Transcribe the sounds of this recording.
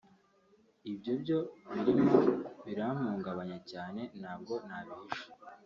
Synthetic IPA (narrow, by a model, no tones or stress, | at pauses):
ibɟobɟo̞βiɾimβiɾam̥uːŋɡaβaɲacaːne̞nhaːb̚ɡo̞nhaβiʃi̥